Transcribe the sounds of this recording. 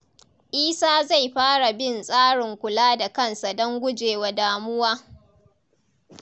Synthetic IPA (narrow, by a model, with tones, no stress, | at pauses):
ʔiː˦saː˦za˦˨jɸaː˦ɽa˨bɪ˦˨nsʼaː˦ɽɪ˨ŋkʷʊ˨laː˦da˨kɐ˦nsa˨dɔ˦ŋɡʷʊ˦d͡ʒeː˨wa˨daː˨mʊ˦waː˦